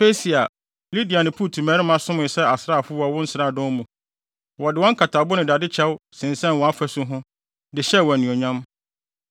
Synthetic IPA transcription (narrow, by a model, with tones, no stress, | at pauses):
pe˦si˨a˨ | li˦di˨a˨nɪ̃˨pʰu˦˨tʰu˨mæː˦ɾɪ˦mã˨sʊ̃˦mʊ̃˨sɛ˦a˨sɾaː˦˨fʊ˦wa˨wʊ̃˦n̩˦saː˦˨dɔ̃˦mũ˨ | wɔ˨dɪ˨wɔ̃˦ŋ̩˦kʰa˨tʰa˨bʊ˦nɪ̃˨da˨dɪ˦t͡ɕʰɛ˦wsɪ̃˨n̩sɛ̃˦n˨wɔ̃˨a˦fæ˨sʊ˦ɦʊ̃˦ | dɪ˨ɕɛ˦˨wɔ˨nĩ˨ɔ˨ɲã˦m